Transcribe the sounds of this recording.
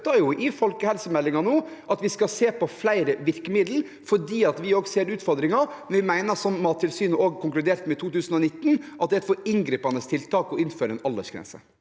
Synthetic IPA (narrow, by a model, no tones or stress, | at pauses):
t̪ɑjʊʔɪfɔlkəhɛlsəmɛlːɪŋɑnoː | ʔɑt̪ʋɪskɑseːpɔflæɪɾəʋɪɾkəmɪd̪l̩ | fɔɖiːɑt̪ʋɪoːɡseːɾʉːt̪fɔɾd̪ɾɪŋɑmnʋɪmæɪnəʂɔmːɑːt̪ʰːɪlsyːnəoːɡkʰʊŋklʉd̪eːɾt̪mɛɪt̪ʰuːt̪ʉːsənɔnɪt̪ːn̩ʔɑt̪̚d̪ɛt̪fɔɾɪŋɡɾiːpɑnəst̪ʰɪlt̪ʰɑːkɔɪnføːɾəɛnɑld̪ə̰ʂɡɾɛ̰nsə̰